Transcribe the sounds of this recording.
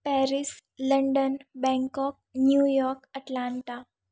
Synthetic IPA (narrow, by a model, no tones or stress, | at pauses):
pɛɾisləɳɖənbɛ̃ŋkɔk̚njujɔɾkəʈlaɳʈa